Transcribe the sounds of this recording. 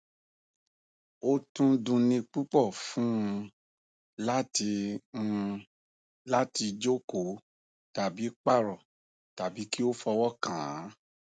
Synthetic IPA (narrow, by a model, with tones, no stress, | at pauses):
o˦tũ˦dũ˧nĩ˧k͡pu˦k͡pɔ˦˨fũ˦˧ | la˦ti˧ũ˧ | la˦ti˧d͡ʒo˦ko˨ | ta˨bi˨˦k͡pa˦˨ɾɔ˨ | ta˨bi˨˦ki˦o˦fɔ˧wɔ˦kã˨˦